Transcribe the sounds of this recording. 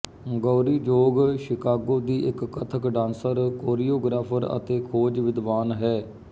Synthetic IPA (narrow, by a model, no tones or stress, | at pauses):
ɡoːɾiːd͡ʒoːɡʃɪkaːɡoːd̪iːʔɪkːət̪ʰəkɖãːnsəɾkoːɾiːoːɡɾaːpʰəɾə̰t̪eːkʰoːd͡ʒʋɪd̪ʋaːnɦɛː